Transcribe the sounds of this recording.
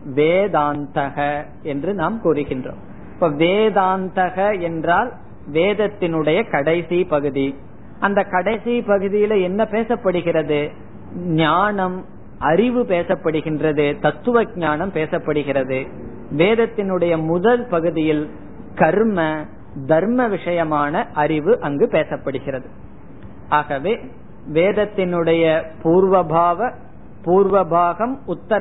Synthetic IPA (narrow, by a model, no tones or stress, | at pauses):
ʋeːðaːnt̪ɐɣɐ | ɛndrɯnaːmkuːrɯɣɪndro̰ːm | ɪpːoːʋeːðaːnt̪ɐɣɐɛndraːl | ʋeːðɐt̪ːɪnɯɽɐjɐkɐɽɐɪsipɐɣɯði | ʔɐnd̪ɐkɐɽɐɪsipɐɣɯðɪjɪlɐɛnːɐpeːsɐpːɐɽɯɣɪrɐðɯ | ɲaːnɐm | ɐrɪʋɯpeːsɐpːɐɽɯɣɪndrɐðɯt̪ɐt̪ːɯʋɐɡ̚ɲaːnɐmpeːsɐpːɐɽɯɣɪrɐðɯ | ʋeːðɐt̪ːɪnɯɽɐjɐmʊðɐlpɐɣɯðɪjɪl | kɐɾmɐ | d̪ʱɐɾmɐʋɪʂɐjɐmaːnɐʔɐɾɪʋɯʔɐŋɡɯpeːsɐpːɐɽɯɣɪrɐðɯ | aːɣɐʋeː | ʋeːðɐt̪ːɪnɯɽɐjɐpuːɾʋɐbʱaːʋɐ | puːɾʋɐbʱaːɣɐmʊt̪ːɐɾ